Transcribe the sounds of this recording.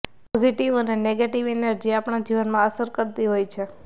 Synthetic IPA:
pɔziʈiʋəneneɡeʈiʋenəɾd͡ʒeapɳ̃ad͡ʒiʋənmãəsəɾkəɾt̪iɦojt͡ʃʰe

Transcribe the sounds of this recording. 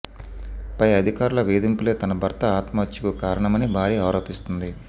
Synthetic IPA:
pɐjɐd̪ʱikaːɾulɐʋeːd̪impule̞ːt̪ɐnɐbʱɐɾt̪ɐaːt̪maːt͡ʃikukaːɾɐɳɐmɐnibʱaːɾiːaːɾo̞ːpist̪und̪i

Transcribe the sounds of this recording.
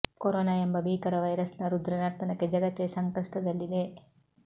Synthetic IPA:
koɾoːnaembɐbʱiːkɐɾɐʋɐjɾɐsnɐɾud̪ɾɐnɐɾt̪ɐnɐkːe̞d͡ʒɐɡɐt̪ːesɐŋkɐʂʈɐd̪ɐlːid̪e̞

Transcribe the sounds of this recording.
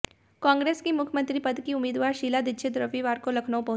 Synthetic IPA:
kãːŋɡɾeːskimʊkʰjmə̃nt̪ɾipɐd̪kiʊmiːd̪ʋaːɾʃiːlad̪ɪt͡ʃʰet̪ɾɐʋiʋaːɾkolɐkʰnoopɐɦ

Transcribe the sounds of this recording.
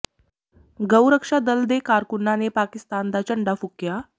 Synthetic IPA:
ɡəwɾəkʂad̪əld̪ekaɾkunːanepakist̪and̪at͡ɕəɳɖafukja

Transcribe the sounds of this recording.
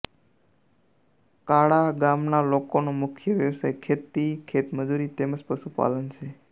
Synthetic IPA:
kaɽaɡamnalokonomʊkʰjəʋjəʋsajkʰet̪ːikʰet̪məd͡ʒuɾit̪eməd͡ʒpəʃupa̰lənt͡ʃʰe

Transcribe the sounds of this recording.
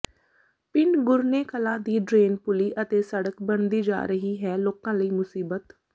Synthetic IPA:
pɪnɡʊɾneːkəlãːd̪iːɖɾeːnpʊliːʔət̪eːsəɽəkbəɳd̪iːd͡ʒa̰ːɾəɦiːɦɛːloːkãːləiːmʊsiːbət̪

